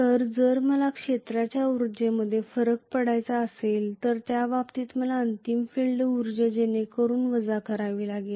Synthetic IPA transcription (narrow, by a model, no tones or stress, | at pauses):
əɾd͡zəɾməlakʂet̪ɾat͡ɕjauɾd͡ʑeməd̪ʱːjefəɾək̚pəɽajt͡saəselt̪əɾt̪jaʋapt̪iːt̪məlaənt̪imfilɖəuɾd͡ʑəd͡ʑenekəɾuːnʋəd͡zakəɾaʋiːlaɡil